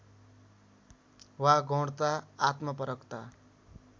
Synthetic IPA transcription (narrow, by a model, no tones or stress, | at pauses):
waɡʱõɽt̪aːt̪mʌpʌɾʌkt̪a